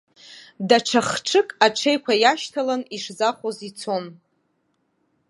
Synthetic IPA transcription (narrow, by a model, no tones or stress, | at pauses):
daʈ͡ʂʰaχʈ͡ʂʰɨkʼaʈ͡ʂʰe̞jkʷʰajaʃtʰalaniʂzaχʷozit͡sʰo̞n